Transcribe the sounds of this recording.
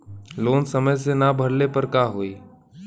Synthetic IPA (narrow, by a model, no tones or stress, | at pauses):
loːnsɐməjs̬enabʱɐɽnepɐɾkaːɦoiː